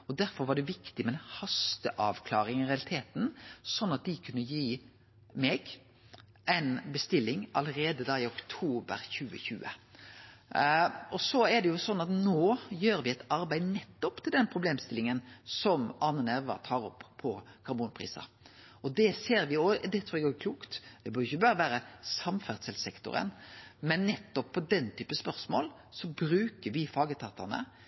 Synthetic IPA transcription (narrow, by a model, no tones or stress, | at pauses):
ɔd̪æɾfɔɾʋɑɖɛʋɪkt̪ɪmɛɛnhɑst̪əʔɑːʋkʰlɑːɾɪŋɪʁɛɑlɪt̪ʰeːt̪n̩sɔnːɑt̪̚d̪ɪkʰʉnːəjiː | mɛɡ | ʔæɪnbəst̪ɪlːɪŋɑləɾeːd̪əd̪ɑːɪʊkt̪ʰuːbə̰ɾçʉːə̰çʉ̰ːə̰ | ɔsɔɛd̪ɛjʊsɔnːɑt̪noːjøːɾʋɪɛɪt̪ɑɾbæɪd̪nɛt̪ːɔpt̪ʰɪld̪ɛnpʰɾʊbleːmst̪ɪlɪŋənsɔmɑnːənæɾʋɑ̰t̪ʰɑːɾɔ̰pːpʰːɔkʰɑɾbuːnpʰʁḭːsɑ̰ | ɔd̪ɛseːɾʋɪod̪ɛt̪ʰɾuːɛɡoɡəkʰluːkt̪d̪ɛbøːɾjʏçəbɑːɾəʋæːɾəsɑmfæʁsɛlsɛkt̪ʊ̰ɾə̰nmɛnːɛt̪ːɔpʰːɔd̪ɛnt̪ʰyːpəspœʁsmo̰ːl | sɔbɾʉːkəʋɪfɑːɡət̪ʰɑːt̪ɑnə̰